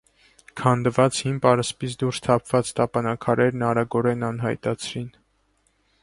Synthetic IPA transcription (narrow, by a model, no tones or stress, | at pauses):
kʰɑnd̪əvɑt͡shimbɑɾəspisʰd̪uɾst̪ʰɑpʰv̥ɑt͡st̪ɑpɑnɑkʰɑɾɛɾnɑɾɑɡɔɾɛnɑnɦɑ̰jt̪ɑt͡sʰɾin